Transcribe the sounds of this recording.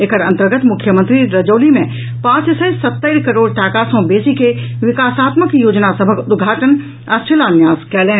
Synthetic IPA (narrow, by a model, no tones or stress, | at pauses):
ekʰəɾɐ̃nt̪əɾɡət̪mʊkʰːjəmə̃nt̪ɾiɾɐd͡ʒoːlimẽ | pãːt͡ʃsəsɐt̪ːəɪɾkɐɾoːɽʈaːkaːsõbeːsikeʋɪkaːsaːt̪məkjoːd͡ʒnasəbʱəkʊd̪ɡʱaːʈən | ɐst͡ʃɪlaːnjaːskɛːlẽː